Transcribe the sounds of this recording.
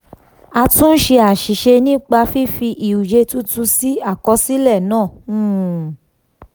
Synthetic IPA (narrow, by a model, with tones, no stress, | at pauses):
a˧tũ˦n̩˦ʃe˧a˨ʃi˨ʃe˧nĩ˦k͡pa˧fi˦fi˧ʔi˨u˨d͡ʒe˧tu˦tũ˧si˦a˦˨kɔ˧si˦lɛ˦˨nãː˦˨˦